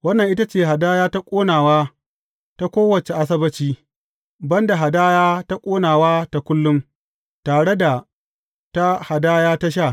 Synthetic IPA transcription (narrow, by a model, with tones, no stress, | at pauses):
wɐ˦nːɐ˨ŋʔɪ˦ta˦t͡ʃeː˦˨ɦa˨daː˦jaː˦ta˦kʷʼoː˦naː˨waː˦ | ta˦kʷoː˦wɐ˨t͡ʃe˨ʔa˦s̬ɐ˦bɐ˦t͡ʃiː˦ | bɐ˦nda˨ɦa˨daː˦jaː˦ta˦kʷʼoː˦naː˨waː˦ta˨kʷʊ˦lːʊ˦m | taː˨ɽe˦da˨ | ta˦ha˨daː˦jaː˦ta˦ʃ̬a˦˨